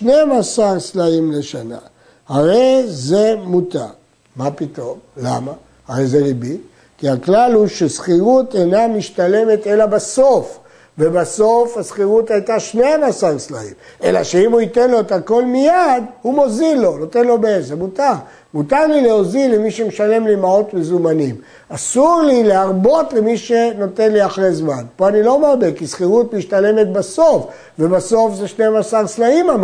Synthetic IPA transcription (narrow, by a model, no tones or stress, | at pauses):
ʃne̞amasaʁslaimleʃana̰ | haʁe̞jze̞muta̰ | mapito̞mla̰ma | aʁejzeʁibi | kiaklalhuʃesχiʁut̪ejnamiʃt̪ale̞me̞t̪e̞labaso̞f | vebaso̞fhasχiʁut̪ajtaʃneamasaʁslaimḛla̰ʃeimhuite̞nlo̞et̪ako̞lmijadhumo̞zilːo̞not̪e̞nlo̞beezemutaʁ | mutaʁlileo̞zilemiʃemeʃale̞mlimao̞t̪mezumanim | asuʁlileaʁbo̞tlemiʃeno̞te̞nliaχʁezmanpo̞anilo̞maʁbekisχiʁutmiʃt̪ale̞met̪̚baso̞f | ve̞baso̞fze̞ʃneamasaʁslaimam